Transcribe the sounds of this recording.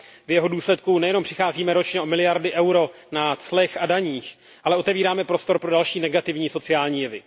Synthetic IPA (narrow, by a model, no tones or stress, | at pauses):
vjɛɦo̞duːslɛt̪̚kunɛjɛno̞mpr̥ɪxaːziːmɛɾo̞t͡ʃɲɛʔo̞mɪlɪjaɾdɪʔɛwɾo̞ | nat͡slɛxadaɲiːx | ʔalɛʔo̞t̪ɛviːɾaːmɛpɾo̞st̪o̞ɾpɾo̞dalʃiːnɛɡat̪ɪvɲiːso̞t͡sɪaːlɲiːjɛvɪ